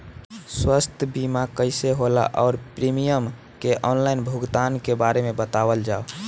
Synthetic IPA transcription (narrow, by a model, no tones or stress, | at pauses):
swəst̪ʰbimakəɪseɦola̰ʔɔːɾpɾimijəm | keʔɔnlaɪnbʱuɡt̪ankebaɾemebət̪awəld͡ʒao